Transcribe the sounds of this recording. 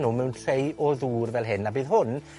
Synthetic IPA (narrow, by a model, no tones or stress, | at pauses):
numɛwntʰrejʔɔðuːrvɛlˠɦɪnabiːðhʊn